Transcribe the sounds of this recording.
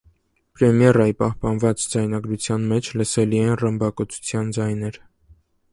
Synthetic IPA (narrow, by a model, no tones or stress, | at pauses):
pɾɛmjɛrɑjipɑhpɑnvɑt͡sd͡zɑjnɑɡɾut͡sʰjɑnmɛt͡ʃʰləsɛliɛnrəmbɑkɔt͡sʰu̥t͡sʰjɑnd͡zɑjnɛɾ